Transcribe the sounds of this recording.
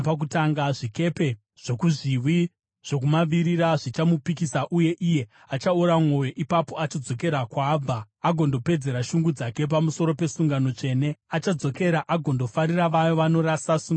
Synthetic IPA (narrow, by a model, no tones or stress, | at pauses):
pak̬utaŋɡaʐike̞pe̞ | ʐ̥o̞kuʐiwi | ʐ̥ok̬umaʋiɾiɾaʐit͡ʃamupikisaʔuje̞ʔije̞ | at͡ʃauɾamwo̞jo̞ʔipapo̞at͡ʃid͡zo̞ke̞ɾakwab͡va | aɡʱo̞ndo̞pe̞d͡ze̞ɾaʃuŋɡud͡zake̞p̬amuso̞ɾo̞pe̞suŋɡano̞t͡ʂe̞ːne̞at͡ʃad͡zo̞ke̞ɾaʔaɡʱo̞ndo̞faɾiraʋajo̞ʋano̞ɾasasuŋ